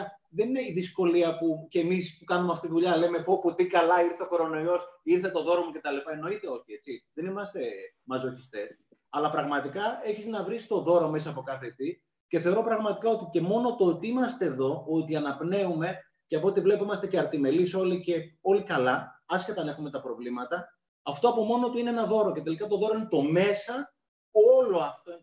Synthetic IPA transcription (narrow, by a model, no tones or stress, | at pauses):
ðe̞nine̞iðisko̞liɐpuce̞mispukɐnumeɐft̪it̪iðuʎɐleme̞poput̪ikɐlɐiɾθeoxo̞ɾo̞no̞io̞siɾθe̞t̪o̞ðo̞ɾomoce̞t̪ɐlipɐe̞no̞it̪e̞o̞çie̞t͡siðe̞nimɐst̪e̞ | mɐzo̞çist̪e̞s | ɐlɐpɾɐɣmɐt̪ikɐe̞çiznɐvɾisi̥t̪o̞ðo̞ɾomes̬ɐːpo̞kɐθe̞t̪i | ce̞θeo̞ɾo̞pɾɐɣmɐt̪ikɐo̞t̪ice̞mo̞no̞t̪ot̪iimɐst̪e̞ːðo̞ot̪iɐnɐpne̞ume̞ | ceɐpoot̪ivle̞poimɐst̪eceɐɾt̪ime̞liso̞lice̞o̞likɐlɐɐsçet̪ɐnɐe̞xume̞t̪ɐpɾo̞vlimɐt̪ɐ | ɐft̪o̞ɐpo̞mo̞no̞t̪uineenɐðo̞ɾo̞ce̞t̪e̞likɐt̪oðo̞ɾoinet̪o̞me̞sɐ | olo̞ɐft̪o